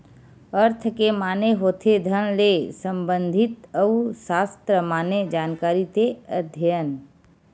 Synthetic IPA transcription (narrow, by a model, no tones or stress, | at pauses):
əɾt̪ʰkemaːneɦoːt̪ʰed̪ʱəñlesə̃mbə̃nd̪ʱɪt̪əusaːst̪ɾəmaːned͡ʒaːnkaːɾit̪eəd̪ʱjən